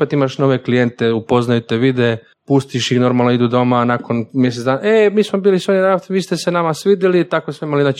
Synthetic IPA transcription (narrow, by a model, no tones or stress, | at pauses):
pet̪imaʃno̞ʋe̞klijent̪eupoznajut̪eʋid̪e | pust̪iʃixno̞ɾmalˠnoid̪ud̪o̞manako̞nmje̞s̬et̪d̪aːnaemiːsmobiːlisoninat̪ʋiːst̪esenamasʋiːd̪jelit̪akosmeimalinat͡ʃ